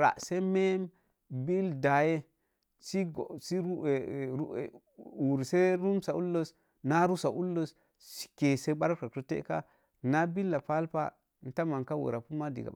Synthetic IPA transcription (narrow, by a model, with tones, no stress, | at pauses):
ɾa̰˨ʔse˦me˦m | bi˦lda˨je˦ | si˦ɡsi˦˨˦ | u˨ɾse˦ɾu˦msa˨u˦lːo˦s | na˦ɾu˦sa˨ʔu˦lːo˦s | si̥˨ke˨se˦ba˦ɾka˨ku˦tḛ˦ka˦ | na˦bi˦lːa˨pa˦lpa̰˦ | n̩˨˦ta˦ma˨ŋka˦wḛ˨ɾa˨pu˦ma˦dḭ˨ɡa̰˨